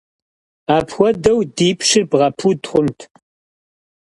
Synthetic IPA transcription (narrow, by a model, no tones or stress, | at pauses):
aːpʰxʷɔdɐwdiːpʰʂɪrbʁɐpʰutχʷʊmtʰ